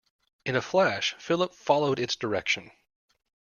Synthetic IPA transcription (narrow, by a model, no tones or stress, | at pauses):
ɨ̃nɨflæʃfɪlˠəpfɑlˠoʊɾɨtsd̥ə˞ɛ̰kʃɨ̃n